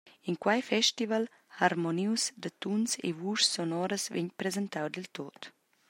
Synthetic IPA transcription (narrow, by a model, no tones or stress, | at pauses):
iŋkwajfɛʃt̪ival | haɾmɔniwsd̪at̪unsḛvuʃsɔnɔɾəsvɛ̰ɲpɾezɛnt̪awd̪ilt̪ot̪